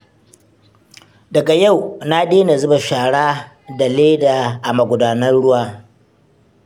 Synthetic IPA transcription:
dɐ˨ɡa˨ja˦˨wna˦ɗeː˦na˨zʊ˦ba˨ʃaː˨ɽaː˦ | da˨leː˦daː˨ʔa˨mɐ˨ɡʷʊ˨daː˦nɐ˦rɽʊ˦waː˦

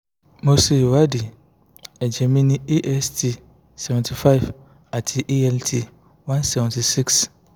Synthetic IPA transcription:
mo˦se˨wa˦dɪ˨ | ɛ˨d͡ʑɛ˨mĩ˦nĩ˦e˦ʔɛ˦stʰi˨ | sɛ˨vɛ̃˨ntʰi˨fa˦i˨v | a˨tʰi˨ʔi˦ɛ˦ltʰi˨ | wã˦nsɛ˨vɛ̃˨n˨tʰi˨si˦ks

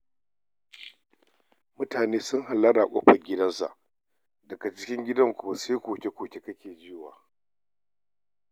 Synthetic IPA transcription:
mʊ˦taː˨neː˦sʊ˦ŋɦa˨lːɐ˦ɽa˨kʷʼɔ˦ɸɐ˨ɡʲɪ˦dɐ˦nsa̰˨ʔ | dɐ˨ɡa˨t͡ʃɪ˦kʲɪ˦ŋɡʲɪ˦dɐ˦ŋkʷʊ˨wa˨seː˦kʷoː˨kʲe˦kʷoː˨kʲe˦kɐ˦kʲeː˨d͡ʒɪ˦˨wa̰ː˨

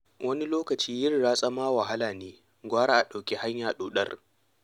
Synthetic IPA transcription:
wʔɐ˦ni˦loː˦kɐ˨t͡ʃiː˦jɪ˦rːaː˦sʼa˦maː˦wa˨ɦa˦laː˨neː˦ | ɡʷaː˦ɽaː˦ʔa˨ɗa˨wkʲe˦ha˦ɲjaː˨ɗoː˨ɗɐ˦r

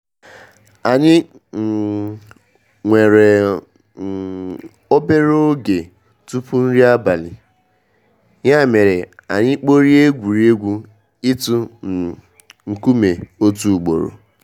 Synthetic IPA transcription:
a˨ɲɪ˦˨ | ŋʷe˨ɾe˨ | o˦be˦ɾo˦ɡe˨ | tu˦pu˦n̩˦ɾi˦a˦ba˨lɪ˨ | ɲa˦˨me˨ɾe˨a̰˨ɲɪ˦k͡po˦ɾi˦e˦ɡʷu˨ɾi˦e˦ɡʷu˦ | ɪ˦tu˦n̩˨ | ŋ̩˨ku˦me˨o˦tu˦˨k͡po̰˨ɾo̰˨

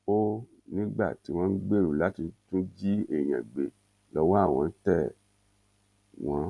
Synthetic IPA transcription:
o˦ | nĩ˦ɡ͡ba̰˦˨ti˨˦w̃ɔ̃˦˧˦ɡ͡be˦˨ɾu˨la˨˦ti˧tũ˦d͡ʒi˦e˦˨j̃ã̰˨ɡ͡be˨ | lɔ˧wa˦˨w̃ɔ̃˧n̩˦tɛ˦˨ | w̃ɔ̃˨˦

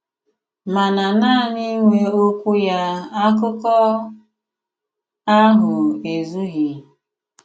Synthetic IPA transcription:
ma˨na˨naː˦˨ni˦ŋʷe˦o˦kʷu˦ja˦a˦k̬ʊ˦kɔ˦ | a˦ɦʊ˨e˨zu˦ɦi˨

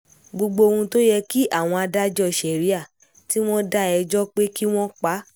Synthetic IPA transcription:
ɡ͡bo˧ɡ͡bo˧o˧hũ˧to˦jɛ˧ki˦ʔa˦˨w̃ɔ̃˧a˧da˦d͡ʒɔ˧i˨ʃɛ˨ɾi˦a˦˨ | ti˦w̃ɔ̃˦da˦ɛ˧d͡ʒɔ˦k͡pe˦ki˦w̃ɔ̃˦k͡pa˨˦

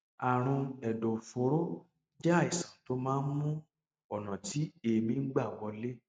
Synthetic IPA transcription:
a˨ɾ̃ũ˧ɛ˨do˨fo˨ɾo˦ | d͡ʒa˦˨i˨sã˨to˦mãː˦n̩˦mũ˦ | ɔ˨nã˨ti˨˦e˧mĩ˧˦ɡ͡ba˦˨wɔ˧le˦

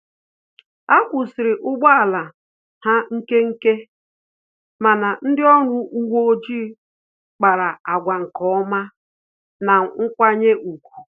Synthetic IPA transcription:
a˦kʷʊ˨sɪ˨ɾɪ˨ʔʊ˦ɡ͡bɔ˦a˨la˨ | ha˦ŋ̩˦ke˦ŋ̩˦ke˦ | ma˨na˨n̩˦dɪ˦ɔ˦ɾʊ˨u˦wo˦o˦d͡ʒiː˦ | k͡pa˨ɾa˨a˨ɡʷa˨ŋ̩˨kɔ˦ɔ˦ma˦ | na˨ŋ̩˦kʷa˦ɲe˦ʔu˨kʷu̥˨

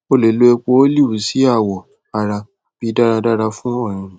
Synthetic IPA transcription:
o˦˨le˨lo˦e˧k͡po˧˦o˦li˦˨u˨si˨˦a˦˨wɔ˨ | a˨ɾa˧ | b̥i˨˦da˦ɾa˧da˦ɾa˧fũ˦ɔ˦˨ɾ̃ĩ˧˨

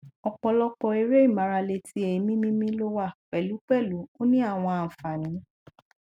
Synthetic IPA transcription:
ɔ˧k͡pɔ˧lɔ˦k͡pɔ˧e˧˦ɾe˦i˦˨mã˨˧ɾa˧le˧ti˦e˨i˨˦mĩ˦mĩ˦mĩ˦lo˦wa˦˨k͡pɛ˨lu˨˦k͡pɛ˦˨lu˨˦o˦nĩ˦a˦˨w̃ɔ̃˧a˨fa˨nĩ˨˦

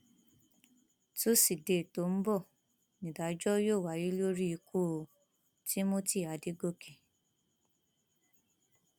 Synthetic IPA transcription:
to˦si˨de˨to˨˦m̩˦bɔ˦˨ | nĩ˨da˨˦d͡ʒɔ˦joː˦˨wa˨˦ji˦lo˦ɾi˦i˧ku˦˧ | ti˦mo˦ti˦˨a˨˦di˦ɡo˦˨ke˨

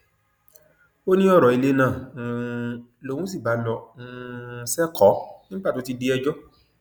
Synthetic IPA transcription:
o˦nĩ˦ɔ˦˨ɾɔ˨i˧le˨˦nãː˦˨˧ | lo˨˧˨ũ˦s̬i˦˨ba˨˦lɔ˧˨ũ˧sɛ˦kʰɔ˨˦nĩ˦ba˦˨to˨˦ti˧de˧˦ɛ˧d͡ʒɔ˦

